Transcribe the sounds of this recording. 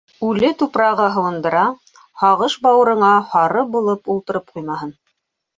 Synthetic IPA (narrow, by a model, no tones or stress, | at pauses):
ʉlɘt̪upɾɑʁɤɦɤ̆wɤ̆nd̪ɤ̆ɾɑ | hɑʁɤʃbɑwɤ̆ɾɤ̆ɴɑhɑɾɤbulˠɤpulˠt̪ɤ̆ɾɤp̚qujmɑɦɤn